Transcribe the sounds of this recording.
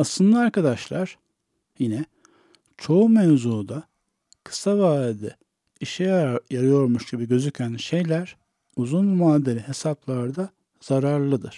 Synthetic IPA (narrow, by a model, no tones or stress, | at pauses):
aslˠɯnd̪aaɾkʰad̪aʃlˠaɾ̥ | jinɛ | t͡ʃʰo̞umɛvzuːd̪a | kʰɯ̥savaːd̪ɛ | iʃɛjjaɾɯjo̞ɾmuʃɟibiɟø̞zycʰænʃe̞jlʲæɾ̥ | uzunmaːd̪eɾʲiɦe̞saplˠaɾd̪a | z̥aɾaɾlˠɯd̪ɯ̰ɾ̥